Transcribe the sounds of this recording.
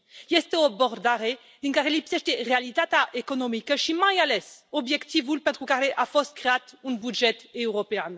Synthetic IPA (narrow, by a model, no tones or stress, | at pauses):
jɛst̪eobɔʁd̪aʁe | d̪iŋkaʁelipsɛʃt̪eʁealit̪at̪aʔekonomikəʃimajalɛsobjɛkt̪ivulpent̪ɾukaɾeʔafɔst̪̚kɾeat̪unbud͡ʒɛt̪ewɾopean